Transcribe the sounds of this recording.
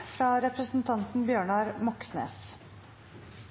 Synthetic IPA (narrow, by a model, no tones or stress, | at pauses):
fɾɑːɾɛpɾəsn̩t̪ʰɑnt̪n̩bjøːɳɑːɾmɔksnḛːs